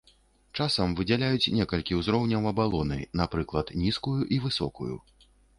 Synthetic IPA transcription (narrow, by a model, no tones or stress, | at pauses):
t͡ʂasɐmvɨd͡zʲɛlʲajut͡sʲnʲɛkɐlʲkʲiwzɾɔwnʲɐwɐbalˠɔnɨ̰napɾɨklˠɐt̪nʲiskujuʔivɨsɔ̰kujṵ